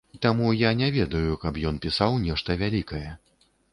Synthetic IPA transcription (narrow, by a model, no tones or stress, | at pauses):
t̪amujanʲɛvʲɛd̪ɐjukɐpjɔn̪pʲisawnʲɛʂt̪ɐvʲalʲikɐjɛ